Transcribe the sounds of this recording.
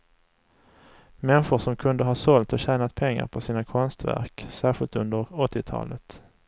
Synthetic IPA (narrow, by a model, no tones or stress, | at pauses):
mɛnɧʊʂɔmkʰɵnd̪əɦɑːʂɔlt̪ɔɕæːnat̪̚pʰɛŋːa̰ɾpʰɔsiːnakʰɔnst̪væ̰ɾksæːɾɧɪlt̪ɵnd̪əɾɔt̪ːɪt̪ʰɑ̰ːlət̪